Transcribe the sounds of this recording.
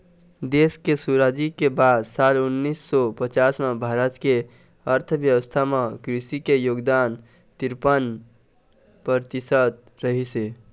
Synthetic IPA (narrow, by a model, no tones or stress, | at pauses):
d̪eskesuɾad͡ʒikebad̪salunːisːɔpət͡ʃasmebʱaɾət̪ke | əɾt̪ʰəbjəwəst̪ʰamekɾisikejoɡd̪an | t̪iɾpən | pəɾt̪isət̪̚ | ɾəɦise